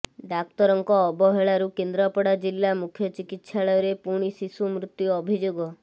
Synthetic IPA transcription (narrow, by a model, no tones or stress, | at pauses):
ɖak̚t̪ɔɾɔŋkɔːbɔɦeɭaɾukend̪ɾɔpɔɽad͡ʒilːamukʰjɔt͡ʃikit̪ʃaɭɔjɔɾepuɽ̃isisumɾut̪ːjuɔbʱid͡ʒoɡɔ